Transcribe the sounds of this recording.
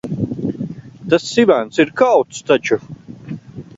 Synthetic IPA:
t̪asːivænt̪siɾkawt̪st̪at͡ʃu

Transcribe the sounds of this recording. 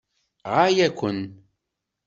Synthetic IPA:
ʁajækʷən

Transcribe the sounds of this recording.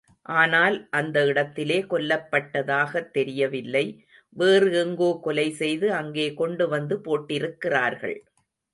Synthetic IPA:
ʔaːnaːlʔɐnd̪ɐɪɽɐt̪ːɪleːkɔlːɐpːɐʈːɐðaːɣɐt̪ːɛɾɪjɐʋɪlːɐɪ | ʋeːrɯɛŋɡoːkɔlɐɪsɛjðɯɐŋɡeːkɔɳɖɯʋɐnd̪ɯpoːʈːɪɾɯkːɪraːɾɣɐ̰ɭ

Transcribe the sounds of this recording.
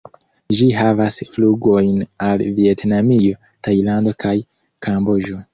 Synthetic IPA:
d͡ʒiɦavasfluɡo̞jnalvie̞tnamijo̞ | tajlando̞kʰaj | kʰamboʒo̞

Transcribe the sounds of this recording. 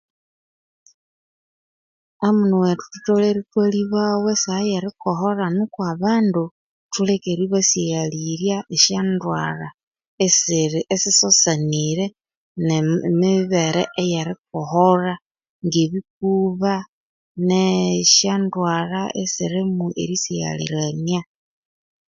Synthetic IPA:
amunuwetu̥tu̥toleɾitweliβawesajaɾikoxoranukwaβaːndu | tulekeɾiβasjaliɾjaʔeʃandwa̰ra | esːsisosaniɾe | nemiβeɾeʔejaɾik̚oxora | ŋɡeβik̚uβa | neʃandwaraesiɾemuʔḛɾisia̰lḭɾania

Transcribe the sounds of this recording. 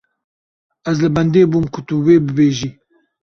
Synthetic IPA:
æzlɨbɛnd̪eːbuːmkʰʊt̪uweːbɨbeːʒiː

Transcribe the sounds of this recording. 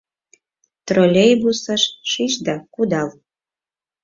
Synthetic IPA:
t̪rolʲejbusəʃʃiʃd̪ɑkud̪ɑlˠ

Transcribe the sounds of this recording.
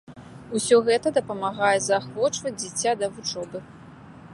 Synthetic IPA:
usʲɔɣɛt̪ɐd̪ɐpɐmaɣajɛzaxvɔt͡ʂvɐd͡zʲd͡zʲit͡sʲːad̪ɐvut͡ʂɔbɨ

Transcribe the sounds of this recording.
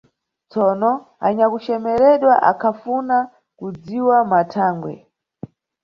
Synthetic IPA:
t͡sɔnɔ | aɲakut͡ʃɛmɛɾɛɗwaʔakʰafuna | kud͡ziwamatʰaːŋɡwɛ̰

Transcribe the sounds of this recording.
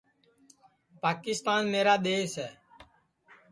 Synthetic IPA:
paːkɪst̪aːnmeːɾaːɗ̪eːsɛː

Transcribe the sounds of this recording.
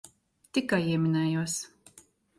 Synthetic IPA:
t̪ikːajiɛmʲinɛːjuɔs

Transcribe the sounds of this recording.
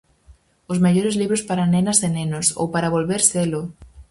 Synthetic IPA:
ʊzmeʎoɾɪzliβɾʊspaɾanenɐzenenoso̰wpaɾaβolβeɾselʊ

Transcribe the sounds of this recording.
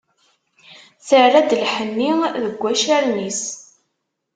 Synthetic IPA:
θərːæd̪lħənːiðəɡʷːæʃæɾnis

